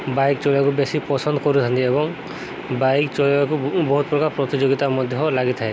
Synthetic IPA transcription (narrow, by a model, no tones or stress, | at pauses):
bajk̚t͡ʃɔlakubesipɔsɔnd̪ɔkɔɾut̪ʰant̪iebɔŋ | bajkt͡ʃɔɭakubɔɦut̪̚pɾɔkaɾpɾɔt̪id͡ʒoɡit̪amɔd̪ʱjɔɦɔlaɡit̪ʰae